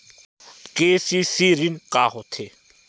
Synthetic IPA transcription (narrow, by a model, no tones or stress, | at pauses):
keːsisiːɾinkaːɦot̪ʰeː